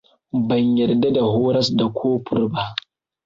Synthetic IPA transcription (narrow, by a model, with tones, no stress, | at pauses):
bɐ˨ɲjɐ˨rda˦da˨hoː˦ɾɐ˦sda˨kʷʰoː˦ɸʰʊ̰˦rba˦ʔ